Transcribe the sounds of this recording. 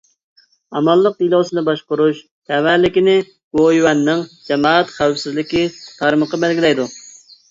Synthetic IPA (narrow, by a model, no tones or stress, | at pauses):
ɑmɑlˠːəq̚d̪ilˠowsɨnɨbɑʃqʊɾuʃ | t̪ʰɛwæɾlɪkʲinɪ | ɡ̥ojwɛnːɪŋd͡ʒɛmɑːɛt̪χæwfsɪzlɪkʲit̪ʰɑɾməqɑbɛlɡʲilɛjd̪u